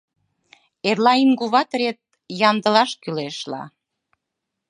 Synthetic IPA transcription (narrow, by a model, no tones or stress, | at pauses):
erlɑinɡuβɑt̪ɾet̪̚ | jɑnd̪əlɑʃkyleʃlɑ̰